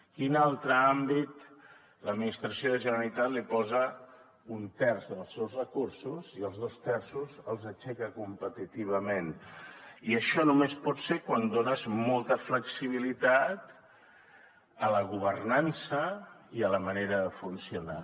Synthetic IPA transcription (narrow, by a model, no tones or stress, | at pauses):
kinalˠt̪ɾəambit̪ | ləd̪minist̪ɾəsioðəʒənəɾəlit̪at̪lipɔzə | unt̪ɛrzəlˠsɛwzrəkursuziəlˠzðost̪ɛrsuzəlˠzət͡ʃɛkəkumpət̪it̪iβəmen | iəʃɔnumespɔt̪seɾkwand̪onəzmɔlˠt̪əfləksiβ̞ilit̪at̪ | ələɣuβ̞ərnansəiələməneɾəðəfunsiuna